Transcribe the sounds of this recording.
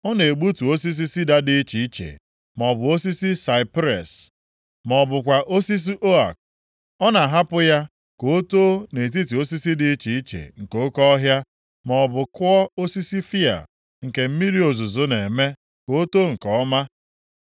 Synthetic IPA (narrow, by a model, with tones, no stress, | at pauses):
ɔ˦ne˨e˨ɡ͡bu˦tu˨o˦si˦s̬i˦si˦da˨di˦t͡ʃi˨i˦t͡ʃḛ˨ | mɔ˨bʊ˨o˦si˦si˦sa˨ɪ˨pɾḛ˨s | mɔ˨bʊ˨kʷa˨ʔo˦si˦s̬i˦ʔo˦a̰˨k̚ | ɔ˦na˨ɦa˦pʊ˦ja˦ | ko˨˦to˦ne˨t̬i˦t̬i˨o˦si˦si˦di˦t͡ʃi˨i˦t͡ʃḛ˨ŋ̩˨ko˦kɔ˦ɦja˦ | mɔ˨bʊ˨kɔ˦o˦si˦si˦fi˦a̰˨ | ŋ̩˨ke˨m̩˦mi˦ɾi˦o˨zʊ˨zo˨ne˨me˦ | ko˨o˦to˦ŋ̩˨kɔ˦ma˦